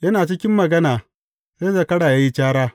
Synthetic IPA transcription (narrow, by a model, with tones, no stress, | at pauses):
jɐ˦naː˨t͡ʃɪ˦kʲɪ˦mːɐ˨ɡɐ˦naː˨ | zeː˦za˦˨kɐ˦ɽaː˨jaː˦ji˦t͡ʃaː˦ɽaː˦